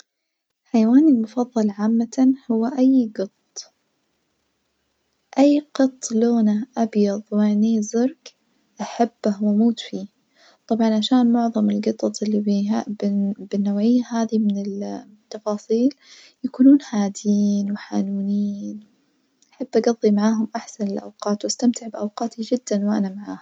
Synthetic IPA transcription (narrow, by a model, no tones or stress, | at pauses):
ħajawaːnɪlmʊfɑðˤːɑlʕaːmːahʊwːaʔajɡɨt̪ˤ | ʔajːqɨt̪ˤːloːnaʔabjɑðˤwɪʕniːzʊɾk | ʔaħabːahwamuːt̪fiː | t̪ˤɑbʕɑnʕaʃaːnmʊʕðˤɑmɪlɡɨt̪ˤɑt̪ˤɪlːibiabɪbɪnːawʕɪjːahaːðimɪnɪl | t̪ːɑfɑːsˤiːl | jakuːnuːnhaːd̪jiːnwɪħa̰ːnuːniːn | ʔaħabːʔaɡɑðˤːimaʕaːɦʊmʔaħsanɪlʔa̰wqɑːt̪wʔast̪amt̪ɪʕbɪʔawqɑːt̪id͡ʒɪd̪ːanwʔa̰namaʕaːh